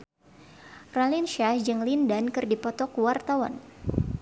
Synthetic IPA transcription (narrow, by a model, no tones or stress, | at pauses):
ralinʃad͡ʒɨŋlindankɨrdipɔt̪ɔkuwart̪awa̰n